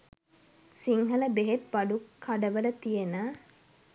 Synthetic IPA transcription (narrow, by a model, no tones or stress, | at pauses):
siŋɦɐləbeɦet̪ʋɐɖukʰːaɖəʋələt̪ijenə